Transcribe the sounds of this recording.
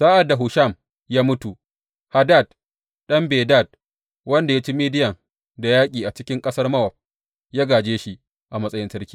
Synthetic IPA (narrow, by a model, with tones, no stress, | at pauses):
saː˦ʔa˨da˨ɦʊ˨ʃɐ˦˨m | jaː˦mʊ˦tu˨ | ha˨da˦˨d | ɗɐ˦mbeː˨daː˦˨d̚ | wɐ˦nda˨jaː˦t͡ʃi˦miː˦dɪ˦jɐ˨ŋ | da˨jaː˦kʲʼiː˨ʔa˨t͡ʃɪ˦kʲɪ˦ŋkʼɐ˦sɐ˦rmɐ˦wɐ˨ɸ̚ | jaː˦ɡaː˨d͡ʒeː˦ʃi˦ | ʔa˨mɐ˦sʼɐ˦jɪ˦ntɐ˦rkʲiː˨